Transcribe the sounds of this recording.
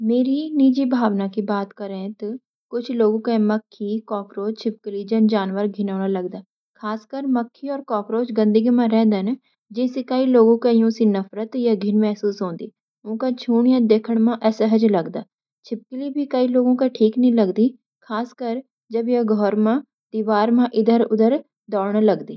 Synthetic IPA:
meːɾiniːd͡ʒibʱaːʋnakibaːt̪kɐɾẽt̪ɔ | kʊt͡ʃʰloːɡõkãmɐkʰːikɔːkɾoːt͡ʃt͡ʃʰɪp̚kɪlid͡ʒɐnd͡ʒaːnʋəɾɡʱɪnaːnalɐɡd̪aː | kʰaːskəɾmɐkʰːiɔːɾkɔːkɾoːt͡ʃɡɐ̃nd̪əɡimãɾɛ̃ɦd̪an | d͡ʒɪ̃ːsekɐiloːɡõkajõːsinɐfɾət̪jaɡʱɪnmɛɦsuːsɦõːnd̪ḭː | ʊ̃ːkat͡ʃʰuːɳjãːd̪eːkʰəɽ̃mãːʔɛːsəɦəd͡ʒləɡd̪aː | t͡ʃʰɪp̚kliːbʱiːkəiːloːɡõːkaʈʰiːknĩːləɡd̪iː | kʰaːskəɾ | d͡ʒəbjãːɡʱɔːɾmãː | d̪iːʋaːɾmãːʔɪd̪əɾʊd̪əɾ | d̪ɔːɳ̃aləɡd̪iː

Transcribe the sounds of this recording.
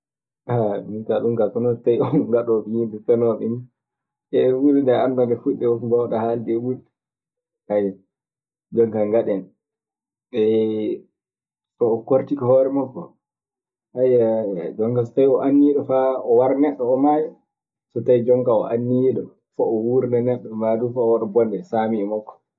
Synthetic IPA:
amintaɗumkakɔnɔtajɔŋɡaɗɔfijindɛtɛnɔɗin | ɛwuɾidaandadɛfuɗːɛɔbawɗahaldɛwuɾ | haja | d͡ʒɔŋkaŋɡaɗɛn | ɛ | sɔːkoɾtikɔhɔɾɛmakːɔ | hajad͡ʒɔŋkas̬ɔtajɔʔanːiɗɔfaɔwaɾnɛɗːɔɔmaja | sɔtajd͡ʒɔŋkaɔ̰ʔanːiɗɔ | fɔɔwuɾnanɛɗːɔmadufaɔwaɗɔbɔndɛsamiɛmakːɔ̥

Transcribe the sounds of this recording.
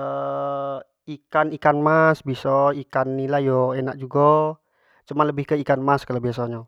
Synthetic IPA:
ə | ikanikanmasbisɔikanːilahjɔenak̚d͡ʒuɡɔ | t͡ʃumanləbɪhkəikanmaskalabiasaɲa

